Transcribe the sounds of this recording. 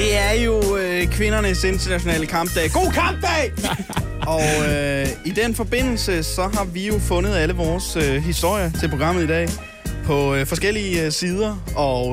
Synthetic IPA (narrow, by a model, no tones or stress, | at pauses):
d̥e̝æɐjo̝kʰʋe̝nɐnəse̝nd̥ɐnæɕo̝nɛ̰ːləkʰɑ̈m̰b̥d̥ɛ̰ːɡ̥o̝̰ːkʰɑ̈mb̥̚d̥ɛː | ɒ̽ | id̥enfɒ̽b̥e̝n̰l̩səsɒ̽ɦɑ̈ʋijo̝fɔ̽nð̞̩ˠæləʋɒːsøɦisd̥o̝ɐ̰jɐt͡sʰe̝lpʰʁo̝ɡ̥ɑ̈m̰ð̩ˠid̥ɛ̰ː | pʰɒ̽fɒ̽sɡ̥el̰iəsiːð̞ˠɐɒ̽